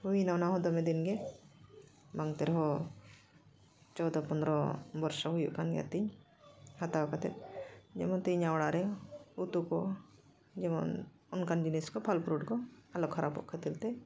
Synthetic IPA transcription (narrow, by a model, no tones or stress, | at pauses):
huinawnaɦɔ̃d̪ɔmɛd̪inɡɛ | baŋt̪ɛɾɦɔ | t͡ʃɔwd̪apɔnd̪ɾɔbɔɾsɔɦujuʔkanɡɛ̰t̪iɲ | hat̪akat̪ɛt̪̚d͡ʒɛmɔnt̪iɲawɽaɾɛut̪ukɔ | d͡ʒɛmɔ̰n | ɔnkand͡ʒiniskɔpʰalpɾuɖkɔalɔkʰːaɾabɔ̰ʔkʰɛt̪ilt̪ɛ